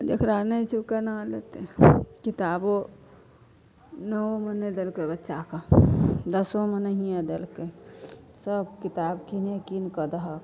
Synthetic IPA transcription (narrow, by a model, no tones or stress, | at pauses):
d͡ʒ̪ḛkɾanəit͡ʃʰukənalet̪ekit̪aːbo | nəoməned̪elkebətːʃakad̪əsomənəɦijãd̪elke | səbkit̪aːbkinekinkəd̪əɦə